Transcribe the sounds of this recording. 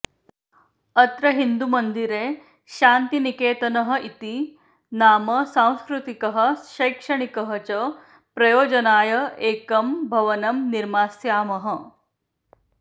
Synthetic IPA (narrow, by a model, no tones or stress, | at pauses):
ɐt̪ɾɐɦind̪umɐnd̪iɾeː | ʃaːnt̪inikeːt̪ɐnɐɦɐ̆ʔit̪i | naːmɐsãw̃skɾut̪ikɐɦɐ̆ʃɐjkʂɐɳikɐɦɐt͡ɕɐ | pɾɐjoːd͡ʒɐnaːjɐeːkɐmbʱɐʋɐnɐmniɾmaːsjaːmɐɦɐ